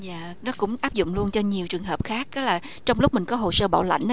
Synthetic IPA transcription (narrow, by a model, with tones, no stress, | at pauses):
jaː˧˨ | nɔ˨˦kʊ̰˧˥ŋ͡mʔaː˦˥p̚zʊ̰˧˨ŋ͡mlu˧ənt͡ɕɔ˧ɲi˨˩əwt͡ɕɨ˨˩əŋɦəː˨˩p̚xaː˦˥k̚ːa˨˦laː˨˩ | t͡ɕɔ˧wŋ͡mlʊ˦˥k͡p̚mï˨˩ŋ̟kɔ˨˦ɦo˨˩səː˧ɓa̰ː˧˩wla̰˧˨jŋ̟